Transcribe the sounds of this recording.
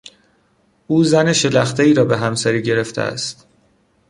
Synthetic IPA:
ʔuːzæneʃelæxt̪ʰeiːɾɒːbe̞ɦæmsæɾiːɟe̞ɾe̞ft̪ʰḛʔæ̰st̪

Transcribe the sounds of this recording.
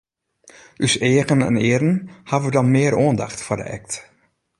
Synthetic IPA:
yseːəɣənɛ̰nɪːəɾənhavʋədɑnmɪəɾoəndaxtfʊdə̰ʔɛ̰k̚t

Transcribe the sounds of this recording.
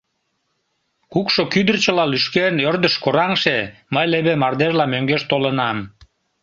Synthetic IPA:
kukʃokyd̪ərt͡ɕəlɑlyʃkenørd̪əʃkoɾɑŋʃeməjleβemɑrd̪eʒlɑmøŋɡeʃt̪olənɑm

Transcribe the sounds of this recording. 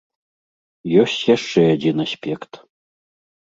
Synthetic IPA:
josʲtʲjaʂt͡ʂɛad͡zʲinasʲpʲekt̪

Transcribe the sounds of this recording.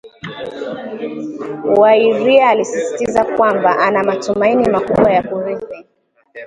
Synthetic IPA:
waiɾiaːlisisi̥tizakwambaʔanamatumainimakuɓwajakuɾikɛ

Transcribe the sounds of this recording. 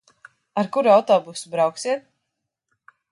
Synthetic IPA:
aɾkuɾuawt̪ɔːbusubɾawksiɛt̪̚

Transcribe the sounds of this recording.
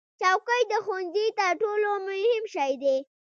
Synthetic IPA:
t͡ʃɑwkəjd̪əxonzit̪əʈolomʊhɪmʃɑjd̪e

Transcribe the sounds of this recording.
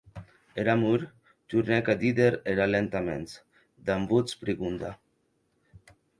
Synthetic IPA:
eɾamuɾ | t̪uɾnɛkad̪id̪eɾeɾalent̪amḛns | d̪ambut͡spɾiɣund̪a̰

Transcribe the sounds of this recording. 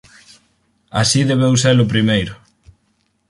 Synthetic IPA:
a̰siðeβewselʊp̬ɾimejɾʊ

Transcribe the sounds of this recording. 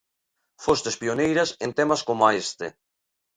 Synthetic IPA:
fost̪espionejɾɐsent̪emɐskomaest̪ḛ

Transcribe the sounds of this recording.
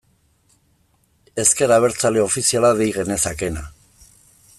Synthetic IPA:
e̞ske̞ɾaβ̞e̞ɾt͡saleo̞fisialaðejɣe̞ne̞sake̞na

